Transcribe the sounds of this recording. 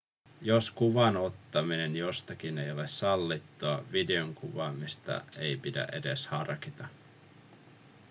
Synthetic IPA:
joskuʋɑno̞t̪ːɑmine̞njo̞st̪ɑk̟ine̞jo̞le̞sːɑlːit̪ːuɑʋide̞oŋkuʋɑːmist̪ɑ̰ʔe̞jpidæ̰ʔe̞de̞shɑrkit̪ɑ

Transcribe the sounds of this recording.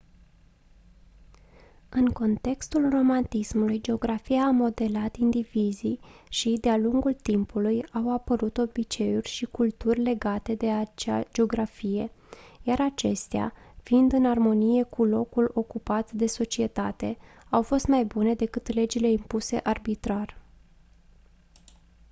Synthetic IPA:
ɨŋko̞nt̪e̞kst̪ulro̞mant̪ismulujd͡ʒe̞o̞ɡɾafijaːmo̞d̪e̞lat̪ind̪iviziʃid̪ealuŋɡult̪impʰulujawapəɾut̪o̞bit͡ʃe̞urʲʃikult̪urʲle̞ɡat̪e̞d̪e̞at͡ʃad͡ʒeo̞ɡɾafije̞jaɾat͡ʃe̞st̪ea̰find̪ɨnarmo̞nije̞kʰulo̞kulo̞kupat̪d̪e̞so̞t͡ʃie̞t̪at̪e̞ | awfo̞st̪majbune̞d̪e̞kɨt̪le̞d͡ʒile̞impuse̞̰ʔarbit̪ɾar

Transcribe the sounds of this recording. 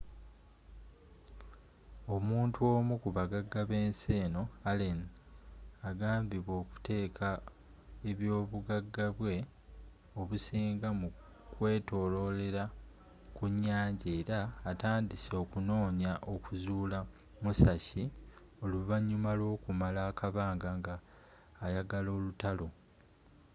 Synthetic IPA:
o̞muːntʰuo̞ːmukuβaɡaɡːaβe̞ːnse̞ːno̞alen | aɡaːmbiβwo̞ːku̥te̞ːkʰa | eβjo̞ːβuɡaɡːaβwe̞ | o̞βusiːŋɡamu | kwe̞ːto̞ːlo̞le̞ɾa | kuɲːaːɲɟe̞ːɾaːtaːndiso̞kuno̞ːɲaʔo̞kuzuːla | musaçi | o̞luβaɲːumalwo̞ːkumalaːkaβaːŋɡaŋɡaː | jaɡalo̞ːlutalo̞

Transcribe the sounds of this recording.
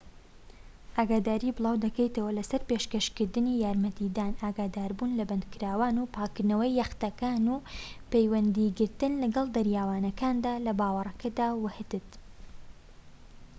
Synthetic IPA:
ʔaːɡaːd̪aːɾibɨlˠɑːwd̪ɐkɛjt̪ɐwɐlɐsɐɾpeːʃkɐʃkɨɾd̪ɨniːjaːɾmɐt̪id̪aːnaːɡaːd̪aːɾbuːnlɐbɐnd̪̚kɨɾaːwaːnuːpʰaːkɨɾnɐwɐjːɐxt̪ɐkaːnuːpejwɐnd̪iɡɨɾt̪ɨnlɐɡɐlˠd̪ɐɾjaːwaːnɐkaːnd̪aːlɐbaːwɐrˤɐkʰɐd̪aːwɐhɨt̪ɨt̪

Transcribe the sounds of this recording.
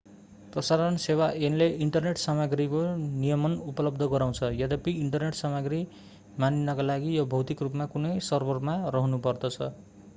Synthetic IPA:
prʌsaɾʌnsewaʔenleʔiɳʈʌrneʈsamaɡɾikonijʌmʌnupʌlʌb̚d̪ʱʌɡʌɾaw̃t͡sʰʌjʌd̪ʌpiːɳʈʌrneʈsamaɡri | maninːʌkalaɡijobʱʌwt̪ikrupmakunʌjsʌrbʌrmarʌɦnupʌrd̪ʌt͡sʰʌ

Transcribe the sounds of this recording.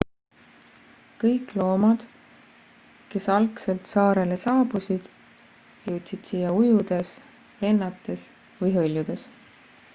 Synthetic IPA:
kɤjkˑlo̞ːmɑd̪̥ | ke̞sɑlkse̞lt̪sɑːɾe̞le̞sɑːbusid̪̥ | jewt̪ʲsid̪̥siːjːɑujud̪̥e̞s | le̞nːɑt̪ːˑe̞s | vɯjɦɤlʲjud̪̥e̞s

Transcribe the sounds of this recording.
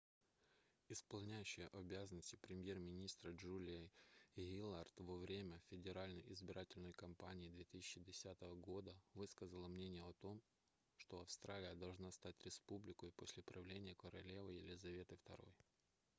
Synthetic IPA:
ɪspɐlˠnʲæjʉɕːɪjəʔɐbʲazənəsʲtʲɪ̥pɾʲɪmʲje̞rmʲɪnʲist̪ɾəʐulʲɪjəɣʲilˠart̪vəvɾʲemʲəfʲɪdʲɪɾalʲnəjʔɪzbʲɪɾatʲɪlʲnəjkɐmpanʲɪːd̪vʲet̪ɨsʲɪt͡ɕːɪdʲɪsʲat̪əvəɡo̞d̪əvɨskəzəlˠəmnʲenʲɪjəɐt̪o̞m | ʂt̪o̞ɐfst̪ɾalʲɪjəd̪ɐlˠʐnast̪atʲɾʲɪspublʲɪkəjposʲlʲɪpɾɐvlʲenʲɪjəkəɾɐlʲe̞vəjɪlʲɪzɐvʲe̞t̪ɨft̪ɐ̰ɾo̞̰j

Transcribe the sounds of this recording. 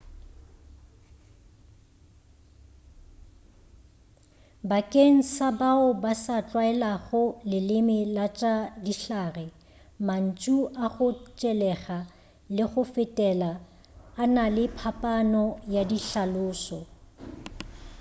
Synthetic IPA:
bakʼeŋ̩sabaʊbasat͡ɬʼwaɛlaɣʊlɪlɪmɪlat͡ʃʼadiɬaːrɛ | man̩t͡ʃʼuʔaɣʊt͡ʃʼɛlɛɣa | lɪɣʊfɪtʼɛlaː | nalɪpʰapʼanɔjadiɬalʊːsɔ

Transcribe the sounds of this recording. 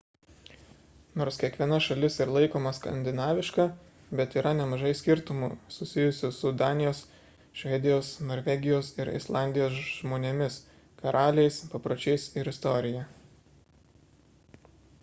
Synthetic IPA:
noːɾskʲiɛkʋʲiɛnɐʃɐlʲɪsɪɾlˠɐɪkoːmɐskɐ̰nʲd̪ʲɪnɑːʋʲɪʃkɑ | bʲɛt̪iːɾɐnʲɛmɐʒɐɪsʲkʲɪɾt̪ʊmuːsʊsʲɪjʊsʲʊsʊd̪ɑːnʲɪjoːs | ʃʲʋʲɛd̪ʲɪjoːsnoːɾʲʋʲɛɡʲɪjoːsɪɾɪ̰slˠɑˑnʲd̪ʲɪjoːsʒmoːnʲemʲɪs | kɐɾʔɑːlʲɛɪspɐpɾoːt͡ʃʲɛɪsɪɾɪst̪ɔɾʲɪjɛ

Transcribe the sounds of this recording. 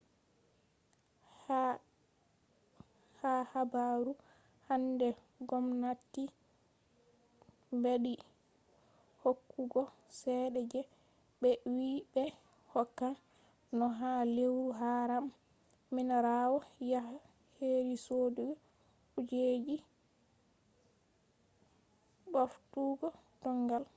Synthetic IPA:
h | hahabaɾu | handɛ | ɡɔmnatːi | mbeɗi | hokːuɡɔsɛːɗɛd͡ʒɛ | bɛwibɛ | hɔkːa | nɔɦalewɾuɦaɾamː | inaɾawɔjah | heɾisoduɡɔ | ud͡ʒed͡ʒi | boftuɡɔ | d̥ɔŋɡal

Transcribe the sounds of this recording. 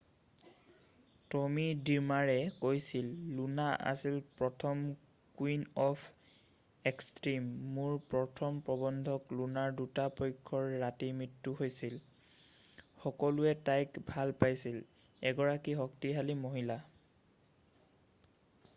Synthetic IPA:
tɔmidiɹmaɹɛkojsilːunaʔa̰silpɹɔtʰɔm | kwinɔpʰ | ekstɹimːuɹpɹɔtʰɔmpɹɔbɔndʱɔklunaɹdutapɔjkʰːɔɹːatimɹitːuɦojsil | xɔkɔluɛtajkbʱalpajsil | ɛɡɔɹakiɦɔktiɦalimoɦila

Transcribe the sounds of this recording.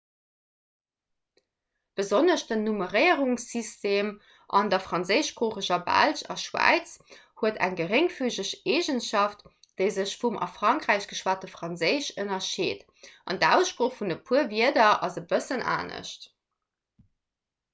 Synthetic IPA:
b̥əzonəʃd̥ənuməʁəɪəʁuŋsisteːm | ʔɑ̰ndɐfʁɑnzəɪʃb̥ʁoːχəʑɐbæ̰lɕɑ̰ʃwæ̰ɪt͡s | huətʰæ̰ŋɡəʁeŋfyːʑəʃeːʒənʃɑft | d̥əɪzəɕfumʔɑ̰fʁ̥ɑŋkʁæɪɕɡ̥əʃwaːtəfʁɑnzəɪɕənɐʃeːt | ʔɑndæʊsʃpʁoːχfundəpʰuəviədɐɑzəbəsənʔa̰ːnə̰ʃt

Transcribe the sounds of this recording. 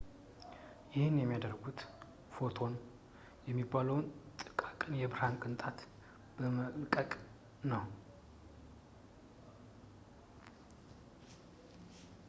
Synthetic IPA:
jɪhɨnjɛmːijad̪əɾɡut̪ | fo̞t̪ʰo̞n | jɛmːibːaləwnt̪ʼɨkʼakʼɨnjɛbɨɾhankʼɨnt̪ʼat̪ | b̥əməkʼəkʼ | nəw

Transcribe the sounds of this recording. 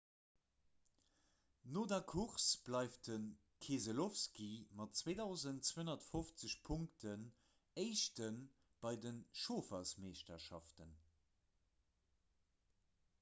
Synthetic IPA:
noːdɐkʰuχsb̥lɑɪfdən | kʰeːzəlofskimɑtt͡sweːdɑʊzəntt͡sweənɐtfoft͡səɕpʰuŋktʰən | əɪʃtən | b̥ɑɪdənʃoːfɐsmeːʃtɐʃɑ̰ftən

